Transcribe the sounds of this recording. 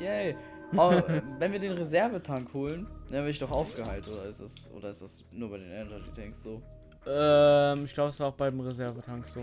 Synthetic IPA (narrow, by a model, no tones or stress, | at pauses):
jɛɪ | ʔaxʔvɛnviːɐdeːnʁezɛɐvətʰaŋkhoːlənavɛːɐɪçd̥ɔχʔaʊfɡ̥əhaɪltʔoːdɐɪstd̥asʔo̰ːdɐɪstd̥as | nuːɐbaɪdeːnʔɛndʁɐdidɛŋksz̥oː | ʔɛmɪçɡ̥laʊbəɛsv̥aːaʊxb̥aɪdemʁezɛɐvətʰaŋkz̥oː